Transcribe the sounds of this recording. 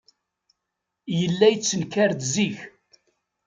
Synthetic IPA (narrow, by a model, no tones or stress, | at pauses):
jəlːæjət͡sːənkːaɾd̪ziç